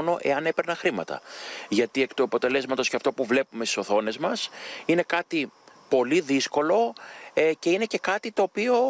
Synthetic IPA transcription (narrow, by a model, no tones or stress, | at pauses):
no̞ʔe̞̰ɐnepe̞ɾnɐxɾimɐ̰t̪ɐ̰ʝɐt̪ie̞kt̪uɐpo̞t̪e̞le̞zmɐt̪osceɐft̪o̞puvle̞pumest̪i̥so̞θo̞ne̞zmɐsine̞kɐt̪ipo̞liðisko̞lo̞ | ce̞ine̞ce̞kɐt̪it̪o̞ːpio̞